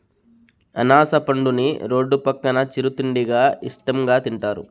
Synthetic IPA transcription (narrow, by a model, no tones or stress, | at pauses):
ɐ̰naːsɐpɐɳɖunḭɾoːɖːupɐkːɐnɐt͡ʃiɾut̪iɳɖiɡaːisʈɐmɡaːt̪iɳʈaːɾṵ